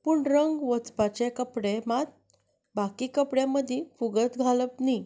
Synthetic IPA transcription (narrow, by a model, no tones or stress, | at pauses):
puɳɾəŋɡʋət͡spat͡ɕekəpɽemat̪̚ | bakikəpɽjãməd̪ʱĩfuɡət̪ɡʱaləpni